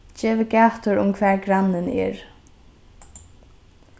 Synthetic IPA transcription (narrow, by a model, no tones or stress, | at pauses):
d͡ʒɛːvɪɡaːt̪ʊɾʊ̰mkʰvɛːɹɡɾanːɪnɛ̰ɹ